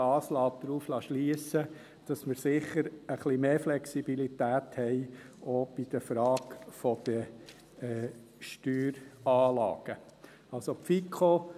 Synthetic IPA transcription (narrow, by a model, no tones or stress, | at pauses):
ɑːslɑːp̚d̪ɾuːflɑʃliəsə | d̥ɑsməɾsɪχəɾəχlimeːflɛksibilit̪æːt̪hɛɪ | oːb̥id̥̪əfɾɑːkfɔd̪̥ə | ɛː | ʃtyːɾɑːlɑ̰ːɡ̥ə | ɑlsopfikʰo